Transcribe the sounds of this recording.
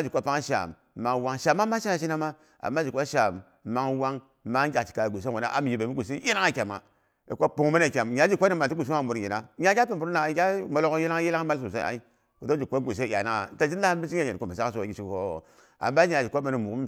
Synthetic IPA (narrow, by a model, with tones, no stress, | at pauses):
d͡ʒi˨kʷa˦pa˦ŋ˦ʃa̰˨mː | a˨ŋwa˦ŋʃa˨mːa˦ma˦ʃi˦a˦ʃi˦na˦ma˦ | a̰˨mːa˦d͡ʒi˨kʷa˦ʃa˨mː | a˦ŋwa˦ŋ | ma˦a˨t͡ʃi̥˨ka˨ɡʷu˨s̬e˦˨o˨na̰˦ʔa̰˦m˨ji˨be˨mi˦ɡu˨si˦ji˦na˦ŋa˦˨kʲa˨ma̰˨ | i˨kʷo˦pu˨ŋ˦ma˦na˨kʲa˨mja˨˦d͡ʒi˨kʷo˦ni˦ma˨n˨ti˦ɡu˨si˦a˦˨mu˨ɾji˨na˦ɲa˨˦a˦pi˦˨bu˨ɾna˨˦kʲa˦mo˨lo˦ko˦ji˦la˦ŋ˦ji˦la˦ŋ˦ma˦ls̬u˨sa˦˨a̰˨i˦ | u˨do˦d͡ʒi˨kʷo˦ɡʷu˨s̬e˦˨ja˨na˦˨˦ta˦d͡ʒi˦n˦la˦mi˦t͡ʃi˦a˦˨je˨o˦˨mi˨sa˦s̬o˦˨ɡi˨t͡ʃi˦kko˦˨ | a̰˨mːba˦a˨d͡ʒi˨kʷo˦me˨˦ni˨mu˨u˦m